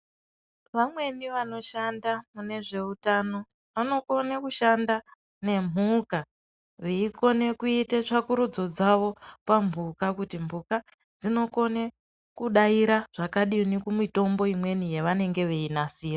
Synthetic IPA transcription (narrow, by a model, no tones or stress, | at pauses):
ʋamwe̞niʋano̞ʃandamune̞ʐe̞utano̞ | ʋano̞ko̞nekuʃanda | ne̞m̤uka | ʋeiko̞ne̞kuitet͡ʂakuɾud͡zo̞d͡zaʋo̞pambʱukakutimbuka | d͡zino̞ko̞ne | kuɗaiɾaʐ̥akaɗinikumito̞mbo̞imwe̞nije̞ʋane̞ŋɡe̞ʋeinasiːra